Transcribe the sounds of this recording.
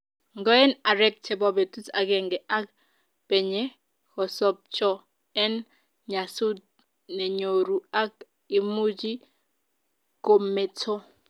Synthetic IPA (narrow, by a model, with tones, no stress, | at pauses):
ŋɡɔ˦ɛ˦na˨ɾɛ˦k̚t͡ʃʰɛ˨bɔbɛ˨tu˦t͡sa̰˨kɛ˨ŋɡɛ˨ʔa˦k̚ | b̥ɛ˨ɲɛ˦ | hɔ˨sɔ˨p̚t͡ʃɔ˦ | ɛ˦n | ɲa˨su˦d̚ | nɛ˨ɲo˨ɾu˨a˦k̚ | i˨mu˦d͡ʒi˦ | ko˨mɛ˨t͡sʰɔ˦